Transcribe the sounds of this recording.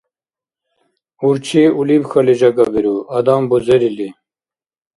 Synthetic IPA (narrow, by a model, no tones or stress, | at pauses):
uɾt͡ʃʰiːulibxɐliʑɐɡɐbiɾuɐd̪aːmbuzeɾili